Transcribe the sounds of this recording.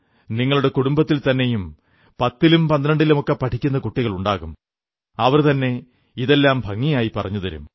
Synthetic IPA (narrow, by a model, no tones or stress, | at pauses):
niŋːɐɭuɽe̞kuɽumbɐt̪ːilt̪ɐnːe̞jum | pɐt̪ːilumpɐnd̪ɐnɐɳɖilumokːepɐʈʰikʲːunːɐkuʈːiɣɐɭuɳɖaːɣum | ɐʋɐrt̪ɐnːe̞ | iðe̞lːaːmbʱɐŋːijaːjipɐrɐɲːuðɐɾṵm